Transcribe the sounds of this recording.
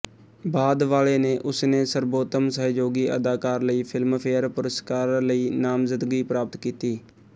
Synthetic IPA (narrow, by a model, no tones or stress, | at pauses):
baːd̪ʋaːleːneːʔʊsneːsəɾboːt̪əmsəɦd͡ʒoːɡiːʔəd̪aːkaːɾləiːpʰɪlmpʰeːəɾpʊɾəskaːɾləiːnaːmzəd̪ɡiːpɾaːpət̪kiːt̪iː